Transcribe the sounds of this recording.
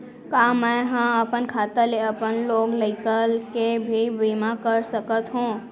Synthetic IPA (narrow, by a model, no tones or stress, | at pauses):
kaːmɛ̃ɦãɐpənkʰaːt̪aleəpənloːɡləɪkəlkebʱibiːmakəɾsəkət̪ɦũː